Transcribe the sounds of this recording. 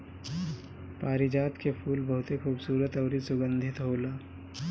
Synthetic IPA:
paːɾid͡ʒaːt̪kepʰuːlbɐɦʊt̪exuːbsuːɾət̪ɔːɾisʊɡə̃nd̪ʱɪt̪ɦoːlaː

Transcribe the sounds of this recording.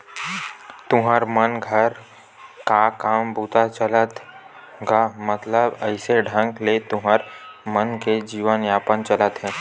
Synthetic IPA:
t̪ʊɦəɾmənɡʱəɾ | kakaːmbuːt̪at͡ʃələt̪ | ɡamət̪ləbəɪseɖʱə̃ŋɡlet̪ʊɦəɾmənked͡ʒiːʋənjaːpənt͡ʃələt̪ɦɛ̃ː

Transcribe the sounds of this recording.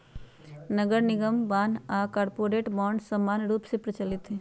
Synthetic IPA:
nəɡəɾnɪɡəmbaːnaːkaːɾpoːɾeːʈbɔːɳɖsɐmːaːnɾuːpsepɾət͡ʃəlɪt̪ɦɛː

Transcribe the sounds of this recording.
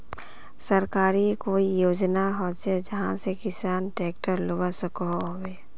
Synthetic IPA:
səɾkaːɾikoːijoːd͡ʒnaɦɔt͡ʃed͡ʒɐɦãsekɪsaːnʈeːk̚ʈəɾlobasəkoɦoweː

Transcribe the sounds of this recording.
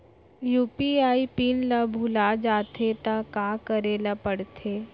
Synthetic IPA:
juːpiaːipinlabʱulad͡ʒaːt̪ʰet̪akaːkəɾeːlapəɽt̪ʰeː

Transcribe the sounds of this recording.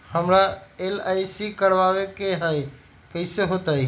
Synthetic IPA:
həmɾaelajsikəɾbaβekeɦəj | kəɪseɦot̪ə

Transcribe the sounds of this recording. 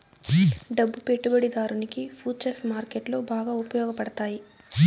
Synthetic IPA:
ɖɐbːupe̞ʈːubɐɽid̪aːɾunikipʰuːt͡ʃɐsmaːɾkeʈlo̞ːbaːɡaːupɐjɔːɡɐpɐɽɐt̪aːji

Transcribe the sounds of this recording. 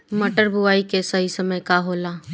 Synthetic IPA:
mɐʈəɾbʱʊaːikesɐɦisɐməjkaɦoːlaː

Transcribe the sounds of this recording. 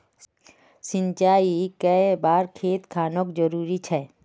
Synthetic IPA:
sɪ̃ɲt͡ʃaːikɛebaːɾkʰeːt̪kʰaːnokd͡ʒəɾuːɾit͡ʃʰɛː

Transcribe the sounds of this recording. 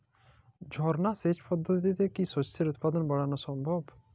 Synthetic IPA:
d͡ʒʱɔɾnaset͡ʃpɔd̪ʱːot̪t̪it̪ekisot͡ɕsʰeɾut̪̚pad̪onbɔɽanosɔmbʱob

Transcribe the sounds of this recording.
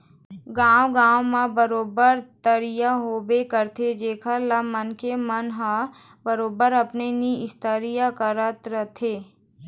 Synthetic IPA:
ɡãːwɡãːwmãbəɾoːbəɾt̪əɾijaɦoːbekəɾt̪ʰed͡ʒeːkʰalamənkemənɦã | bəɾoːbəɾɐpneniɪst̪əɾijakəɾət̪ɾət̪ʰeː

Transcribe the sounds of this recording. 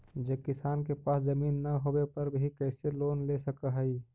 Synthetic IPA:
d͡ʒekɪsaːnkepaːszəmiːnːɐɦobepəɾbʱikəɪseloːnlesəkəɦəi

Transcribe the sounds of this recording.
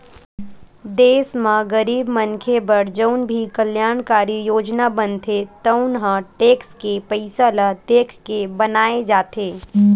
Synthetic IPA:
d̪eːsmãɡəɾiːbmənkʰebəɾd͡ʒəʊnbʱikəljaːɳ̃kaːɾijoːd͡ʒnabənt̪ʰet̪əʊnɦə̃ʈeːkskepəɪsalad̪eːkʰkebɐnaːed͡ʒaːt̪eː

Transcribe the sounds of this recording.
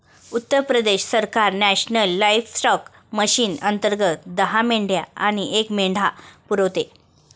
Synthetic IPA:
ut̪ːəɾpɾəd̪eɕsəɾkaɾnæɕnəlːajfsʈɔk | məɕiːnənt̪əɾɡət̪d̪əɦameɳɖja̰aɽ̃iʔekmeɳɖʱapuɾəwt̪e

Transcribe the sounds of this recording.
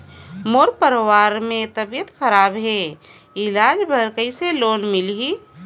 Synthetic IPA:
moːɾpəɾwaːɾmẽt̪əbijət̪xʰəɾaːbɦe | ɪlaːd͡ʒbʱəɾkəɪseloːnmɪlɦi

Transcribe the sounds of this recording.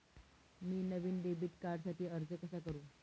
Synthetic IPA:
miːnəʋiːnɖ̪ebiːʈkaɽsaʈʰiːəɾd͡zəkəsakəɾũː

